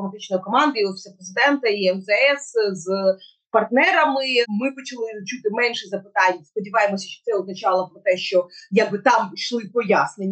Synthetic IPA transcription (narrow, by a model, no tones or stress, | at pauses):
ɔmɐt̪ɪt͡ʃnɔjikɔmɑnd̪ɐjiɔfʲi̥sʲɛpɾezɪd̪ɛnt̪ɐiɛmzɛɛsz | pɐrt̪nɛɾɐmɪmɪpɔt͡ʃɐlˠɪt͡ʃut̪ɪmɛnʲʃɛzɐpɪt̪ɑnʲːɐspɔdʲiʋɑjemɔsʲɐʃt͡ʃɔ̥t̪sɛɔznɐt͡ʃɑlˠɔpɾɔt̪ɛʃt͡ʃɔjaɡ̚bɨt̪ɑmʃlˠɪpɔjasnenʲː